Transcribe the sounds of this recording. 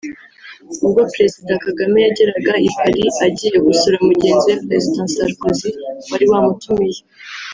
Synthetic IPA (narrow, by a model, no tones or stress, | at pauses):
uɡopɾe̞zidakaɡame̞jaɟe̞ɾaɡaikaɾiaɟiːje̞ɡusuɾamuɟe̞ːnzijepɾe̞zidãsaɾkoziwaɾiwaːmutumije